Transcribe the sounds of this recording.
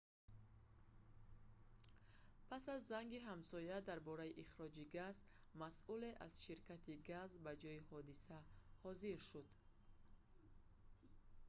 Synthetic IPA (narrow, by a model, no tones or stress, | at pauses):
pʰasazːaŋɡiɦamsɔjad̪aɾbɔɾaiʔiχɾɔd͡ʒiɡaz | masʔuleʔaz̥ʃiɾkʰat̪ʰiɡazbad͡ʒɔjihɔd̪isahɔziɾʃud̪